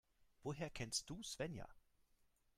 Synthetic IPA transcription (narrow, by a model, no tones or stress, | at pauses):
ʋɔɦɛɐ̰kʰɛnsd̥usʋɛnja̰